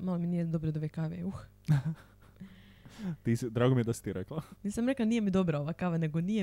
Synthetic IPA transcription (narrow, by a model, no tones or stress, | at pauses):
malˠominijed̪obɾod̪aʋekaʋeux | t̪iːsid̪ɾaːɡomijed̪asi̥t̪iɾeklˠaniːsamɾe̞klaniːjemid̪o̞bɾao̞ʋakaʋane̞ɡonije